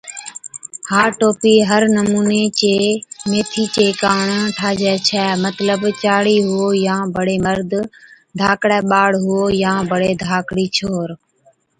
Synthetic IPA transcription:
haːʈoːpiːɦəɾnəmuːneːt͡ʃeːmeːt̪ʰiːt͡ʃeːkaːɳʈʰaːd͡ʒɛːt͡ʃʰɛːmət̪ləbt͡ʃaːɽiːɦʊoːjãːbəɽeːməɾd̪ʱ | d̪ʱaːkɽɛːɓaːɽɦʊoːjãːbəɽeːd̪ʱaːkɽiːt͡ʃʰoːɾ

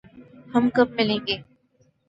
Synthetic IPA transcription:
hɐmkɐb̚mɐlẽːŋɡeː

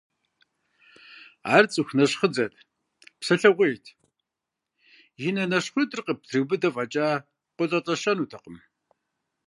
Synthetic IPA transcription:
a̰ːrt͡sʼɨxʷnɐɕχəd͡zɐtʼ | psɐɬɐʁʷejtʰ | jɪnɐnɐɕχʷʊdʼɨrqəp̚tʰrɨwbɨdɐvɐt͡ʃʼaː | qʷʊɮʼɐt͡sʼɐʃɐnuːtʰɐqəm

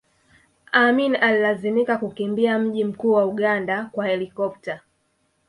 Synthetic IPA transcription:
aminalilazimikakukimbiam̩ʄim̩kuːwauɠandakwahɛlikɔp̚ta

